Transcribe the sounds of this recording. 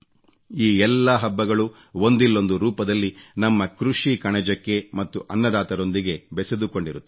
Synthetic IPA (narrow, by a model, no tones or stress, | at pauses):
iːɛlːɐɦɐbːɐɡɐɭu | o̞nd̪ilːo̞nd̪uɾuːpɐd̪ɐlːinɐmːɐkɾuʂikɐɳɐd͡ʒɐkːe̞mɐt̪ːuʔɐnːɐd̪aːt̪ɐɾo̞nd̪iɡe̞bɛsed̪uko̞ɳɖiɾut̪ːe